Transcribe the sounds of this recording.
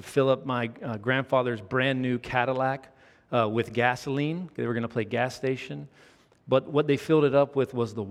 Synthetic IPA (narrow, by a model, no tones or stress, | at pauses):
v̥fɪlˠʌp̚maɪɡɹæ̃nd̥fɑðə˞zbɹæ̃nːʉkʰæɾəlæk | wɪðɡæslĩnðeɪwə˞ɡʌnəpʰl̥eɪɡæsteɪʃɨ̃n | b̥ʌt̚wʌt̪̚ðeɪfɪlˠdɨɾʌpwɪðwʌzðəw